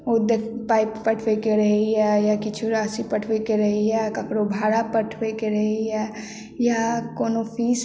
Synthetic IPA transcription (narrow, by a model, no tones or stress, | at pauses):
od̪ekpaːɪppɐʈʰʋekeɾɐɦeɦɛjakɪt͡ʃʰuɾaːsipɐʈʰʋekeɾɐɦiɦɛkɐkɽobʱaːɾapɐʈʰʋekeɾɐɦiɦɛ | jakoːnofʰiːs